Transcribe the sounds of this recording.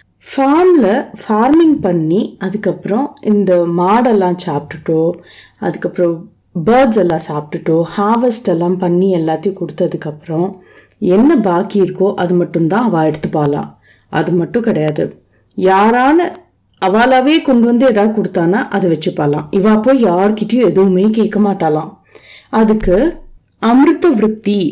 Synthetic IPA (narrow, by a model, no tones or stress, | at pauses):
faːmlɐfaːɾmɪŋɡpɐɳːiɐðɯkːɐpːɯɾɔ̃ʔɪnd̪ɐmaːɽɛlːãːsaːpʈːɯʈːõː | ɐ̰ðɯkːɐpːɯɾɔ̃ | bɐːɾɖsɛlːãːsaːp̚ʈɯʈːõːhaːʋɛsʈɛlːãːpɐɳːiɛlːaːt̪ːijkɔɽɯt̪ːɐðɯkːɐpːɯɾɔ̃ | ɛnːɐbaːkiɪɾɯkːõʔɐðɯmɐʈːɯmt̪ãːɐʋãːɛɽɯt̪ːɯpːaːlã̰ː | ʔɐ̰ðɯmɐʈːʊ̃kɪɽɐjaːðɯ̰ | jaːɾaːnɐ | ɐʋaːlaːʋeːkɔɳɖɯʋɐnd̪ɯɛðaːðɯkɔɽɯt̪ːaːnːaːʔɐðɯʋɛt͡ʃːɯpːaːlã̰ːɪʋaːpːoːjjaːɾɯkɪʈːɐjʊ̃ɛðɯʋɯmeːkeːkːɐmaːʈːaːlãː | ɐðɯkːɯ | ɐmɾɯt̪ːɐʋɪɾɯt̪ːi